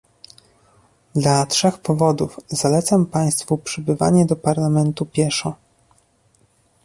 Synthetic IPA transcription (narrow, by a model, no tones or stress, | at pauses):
d̪latʂɛxpɔvɔd̪ufz̥alɛt̪sampaj̃st̪fupʂɘbɘva̰ɲɛd̪ɔpaɾlamɛnt̪upʲjɛʂɔ